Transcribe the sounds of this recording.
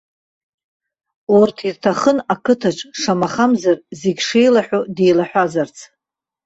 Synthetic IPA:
urtʰirtʰaχənakʰɨtʰaʈ͡ʂʼʂamaχamzarzeɡʲʂejlaħʷᶣodejlaħᶣʷazart͡sʰ

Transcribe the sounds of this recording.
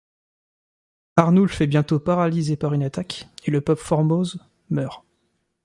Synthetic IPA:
aʁnulfɛbjɛ̃t̪opaʁalizepaʁynat̪akeləpœpfɔʁmoz | mœːʁ

